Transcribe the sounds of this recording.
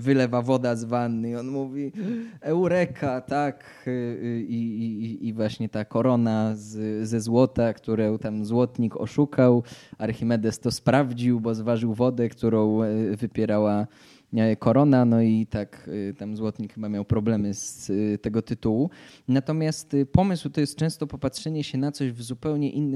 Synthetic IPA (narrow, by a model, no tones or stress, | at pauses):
vɘlɛvavɔd̪azvanːɨiɔnmuvʲiɛwɾɛkʰat̪ak | iː | vwaɕɲɛt̪akɔɾɔnazzɛzwɔt̪akt̪uɾɔwt̪amzwɔt̪ɲikɔ̰ʂukʰawaɾxʲimɛd̪ɛst̪ɔspɾavd͡ʑiwbɔzvaʐɘwvɔd̪ɛkt̪uɾɔ̃w̃vɘpʲjɛɾawa | kɔɾɔnanɔit̪akt̪amzwɔt̪ɲikxɘbamʲjawpɾɔblɛmɘst̪ɛɡɔt̪ɘt̪uwunat̪ɔmʲjast̪pɔmɘswt̪ɔjɛst̪̚t͡ʂɛ̃w̃st̪ɔpɔpatʂɛɲɛɕɛnat̪sɔʑvzupɛwɲɛʔinː